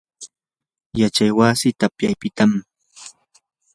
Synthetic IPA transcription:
jat͡ʃajwasɪt̪apjajpɪt̪am

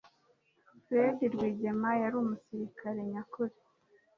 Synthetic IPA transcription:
pwediɾɡwiːɟe̞majaɾuːmusiɾikʰaɾe̞ɲakuɾe

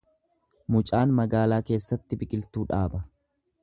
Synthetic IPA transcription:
mʊt͡ʃʼaːnmɐɡaːlaːke̞ːsːɐt̪ːɪbɪkʼɪlt̪uːᶑaːbɐ

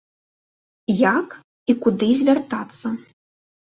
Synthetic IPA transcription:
jak | ikud̪ɨzʲvʲart̪at̪sːɐ

